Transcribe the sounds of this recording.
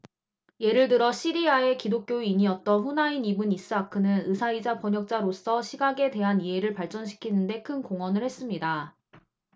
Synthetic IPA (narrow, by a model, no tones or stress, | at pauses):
je̞ɾɯɭtɯɾʌɕ͈ʰiɾiae̞kidok̚k͈joiɲiʌt̚t͈ʌnɸunainibɯnis͈ɯakʰɯnɯnɯsʰaid͡ʑapʌɲʌk̚t͡ɕ͈aɾos͈ʰʌɕʰiɡaɡe̞te̞ɦaniɦe̞ɾɯɭpaɭt͡ɕ͈ʌnɕ̬ʰi̥kʰinɯnde̞kʰɯnkoŋwʌnɯɭhes͈ɯmɲida